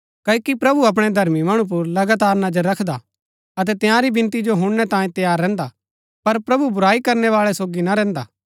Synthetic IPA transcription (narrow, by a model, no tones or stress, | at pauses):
kɐːkipɾɐbuɐp̬ɽ̃ed̪ʱɐɾmimɐɽ̃up̬ʊɾlɐɡaːt̪aːɾnɐd͡ʒəɾːɐkʰd̪a | ɐt̪̬ɛt̪ɪjãɾibɪ̃nt̪id͡ʒoɦʊ̃ɽñɛt̪ãːjĩt̪ɐjaːɾːɛ̃ːnd̪a | pɐɾpɾɐbubʊɾaːikɐɾnɛʋaːɭɛsoːɡinaɾɛ̃ːnd̪a̰ː